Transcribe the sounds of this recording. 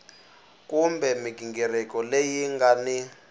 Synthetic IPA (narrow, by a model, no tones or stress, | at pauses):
kumbɛmiɡʱiŋɡɛrɛkɔlejiŋɡani